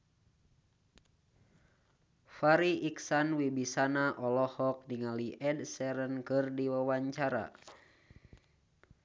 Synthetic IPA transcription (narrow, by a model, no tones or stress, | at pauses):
faɾiʔiksanwibisanaʔɔlɔhɔk̚niŋaliʔɛdsɛɾənkɨrdiwawaɲt͡ʃaɾa̰